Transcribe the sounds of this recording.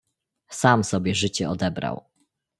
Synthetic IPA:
samsɔbʲjɛʐɘt͡ɕɛɔd̪ɛbɾa̰w

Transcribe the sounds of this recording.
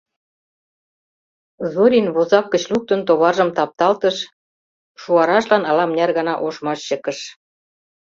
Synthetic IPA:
zoɾʲinβozɑkːə̆t͡ɕluk̚t̪ə̆nt̪oβɑʒə̆mt̪ɑp̚t̪ɑlt̪ɤ̆ʃ | ʃuɑɾɑʃlɑnɑlɑmnʲærɣɑnɑʔoʃmɑʃɕə̆kə̆ʃ

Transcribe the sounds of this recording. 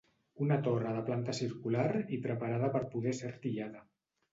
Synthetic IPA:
unat̪orəðəplant̪asiɾkulaɾipɾəpaɾað̞apəɾpuðɛseɾt̪iʎaða

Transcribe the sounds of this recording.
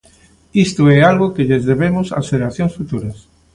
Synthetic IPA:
ist̪oɛalɣokeʎezðeβemʊsa̰sfeeaθjõŋsfut̪uɾɐs

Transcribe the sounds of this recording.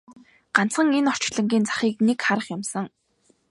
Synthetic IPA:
ɢ̥an̥t͡sχə̆ŋenɔr̥t͡ɕɮə̆ŋɡʲiːnt͡sʰḁχiːk̚nekχaɾə̆χjʊmsə̆ŋ

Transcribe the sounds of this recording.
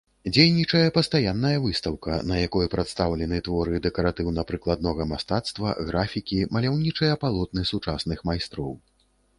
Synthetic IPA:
d͡zʲejnʲit͡ʂɐjɐpɐst̪ajanːɐjɐvɨst̪ɐwkɐ̰nɐjakɔjɛpɾat̪st̪awlʲɛnɨt̪vɔɾɨd̪ɛkɐɾat̪ɨwnɐpɾɨklˠad̪̚nɔɣɐmast̪at̪st̪vɐɣɾafʲikʲimɐlʲawnʲit͡ʂɨjɐpalˠɔt̪̚nɨsut͡ʂasnɨxmajst̪ɾɔw

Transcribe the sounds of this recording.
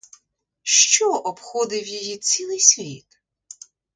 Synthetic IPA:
ʃt͡ʃɔʔɔbxɔd̪ɪwjɔjit͡sʲilˠɪjsʲʋʲit̪

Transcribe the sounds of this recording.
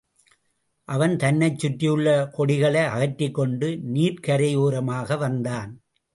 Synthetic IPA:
ʔɐʋɐnt̪ɐnːɐɪt͡ʃːʊʈːɪjɯɭːɐkɔɽɪɣɐɭɐɪɐɣɐʈːɪkːɔɳɖɯniːɾkɐɾɐjuːɾɐmaːɣɐʋɐnd̪aːn

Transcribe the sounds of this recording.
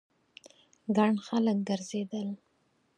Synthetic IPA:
ɡaɳxalək̚ɡəɾzed̪əl

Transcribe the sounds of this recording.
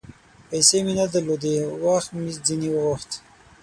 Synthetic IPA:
pajseminad̪əlod̪ewaxt̪mid͡ziniwəɣoxt̪

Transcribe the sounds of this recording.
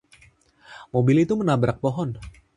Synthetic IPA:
mobilit̪umənabɾak̚poɦɔn

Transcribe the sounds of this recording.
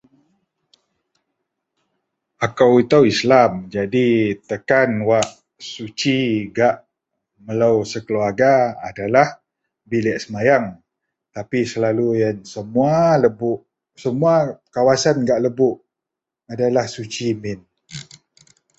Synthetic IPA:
akawit̪awislamd͡ʒadit̪əkanwaʔ | sut͡ʃiɡaʔ | məlawsəkəluarɡaa̰dalah | bilɛʔsəmajaŋ | t̪apisəlalujansəmualəbʊʔ | səmuakawasanɡaʔləbʊʔ | adalahsut͡ʃimɪn

